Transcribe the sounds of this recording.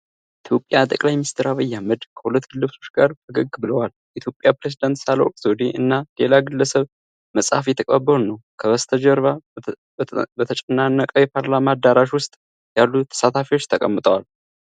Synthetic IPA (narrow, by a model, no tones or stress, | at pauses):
ʔit̪ʰjo̞pʼːjat̪ʼəkʼlajmɪist̪ʰəɾaβəjːahməd̪kʰəhulət̪ːɡ̥ɨlːɨfsʰo̞̥t͡ʃɡaɾt̪ʰəɡəɡːbɨləwaljʔit̪jo̞pʼjapɾezid̪ant̪salokʼsod̪iʔɨnːale̞laɡɨlːəsəβ | məsʼhafjɛt̪ʰəkʼabːəɾnəwkʰəβəst̪ʰəd͡ʒəɾβa | bət̪ʰət͡ʃʼɛnːanːəkʼəwjɛpʰaɾlamad̪aɾaʃwʊst̪ʼ | jalːut̪ʰːə̥sat̪ʰafiwot͡ʃːt̪ʰəkʼəmːɨt̪ʼəwal